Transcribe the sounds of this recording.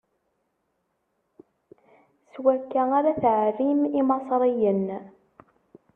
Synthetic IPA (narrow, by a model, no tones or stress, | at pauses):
swækːæaɾaθʕrimimɑsˤɾˤijən